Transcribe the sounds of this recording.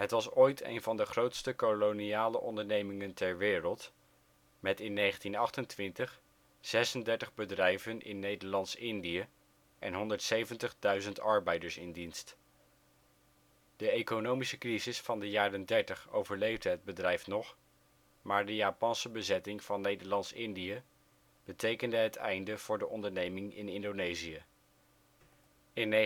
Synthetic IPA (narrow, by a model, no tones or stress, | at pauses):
ɦətʋɑsojtḛjnvɑndəχrowtstəkoloniaːlə̰ʔɔndəɹnejmɪŋəntɛɹʋɪːrəlˠt | mɛtɪnːejχəntinɑχtəntʋɪntəχ | z̥ɛsəndɛɹtəχbədrɛjvənʔɪ̰nːejdəɹlɑntsɪndiə | ʔɛ̰nɦɔndəɹtsejvəntəχdœɥzəntɑɹbɛjdəɹsɪndinst | d̥əekonowmisəkrizɪsfɑndəjaːrəndɛɹtəχo̰wvəɹlejvdəɦəd̚bədrɛjfnɔχ | maːɹdəjaːpɑnsəbəzɛtɪŋv̥ɑnːejdəɹlɑntsɪndijə | b̥ətejkəndəɦətʰɛ̰jndəv̥ʊːɹdəʔɔndəɹnejmɪŋɪ̰nɪndonejzijə | ɪn